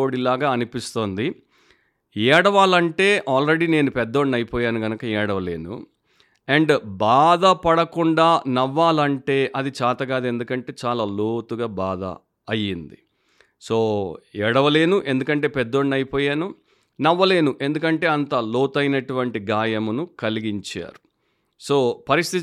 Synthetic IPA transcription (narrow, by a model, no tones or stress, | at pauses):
oːɽilaːɡaːɐnipist̪oːnd̪i | ɛːɽɐʋaːlɐɳʈe̞ːʔaːlɾe̞ɽiːne̞ːnupɛd̪ːoːɳɐjpoːjaːnuɡɐnɐkɐɛːɽɐʋɐle̞̰ːnṵ | eɳɖbaːd̪ɐpɐɽɐkuɳɖaːnɐʋːaːlɐɳʈe̞ːʔɐd̪it͡ʃaːt̪ɐɡaːd̪e̞nd̪ukɐɳʈe̞ːt͡ʃaːlaːloːt̪uɡaːbaːd̪ɐ̰ | ɐjind̪i | so̞ːɛːɽɐʋɐle̞ːnuʔe̞nd̪ukɐɳʈe̞ːpɛd̪ːo̞ːɳɐjipoːjaːnu | nɐʋːɐle̞ːnuʔe̞nd̪ukɐɳʈe̞ːɐnt̪aːlo̞ːt̪ɐjnɐʈuʋɐɳʈiɡaːjɐmunukɐliɡiɲt͡ʃa̰ːɾu̥ | so̞ːpɐɾist̪